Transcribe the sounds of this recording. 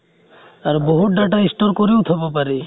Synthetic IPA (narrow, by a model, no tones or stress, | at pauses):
aɾbɔɦuʈ̚ɖaʈaĩsʈɔɾkɔɾiwt̪ʰɔbapaɾi